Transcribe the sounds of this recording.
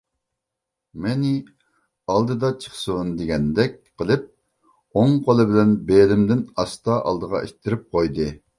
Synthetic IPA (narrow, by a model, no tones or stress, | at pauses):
mɛnɪ | ɑlˠd̪ɨd̪ɑt͡ʃʰə̥χsund̪eɡʲɛnd̪ɛk̚ʲqʰəlˠɨp̚ | oŋqʰolˠɨbɪlɛnbelɪmd̪ɪnɑst̪ɑʔɑ̰lˠd̪əʁɑ̰ʔḛʃt̪ʰːɪɾɪp̚qʰojd̪ɨ